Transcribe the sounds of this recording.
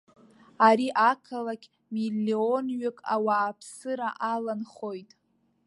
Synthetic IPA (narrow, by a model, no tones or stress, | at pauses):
aɾiʔakʰalakʲʰʼ | milːionɥɪkʼa̰waːpʰsɨɾaʔalanχo̞jtʼ